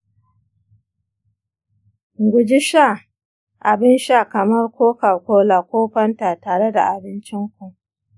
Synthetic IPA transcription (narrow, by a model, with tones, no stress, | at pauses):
ɡʷʊ˨d͡ʒɪ˦ʃa˦˨ | ʔa˨bɪ˦nʃa˦˨kɐ˨mɐ˦rkʷoː˦ka˨rkʷoː˦laː˨kʷoː˦ɸɐ˦nta˨taː˨ɽe˦da̰˨ʔa˨bɪ˦nt͡ʃɪ˦ŋkʷu˨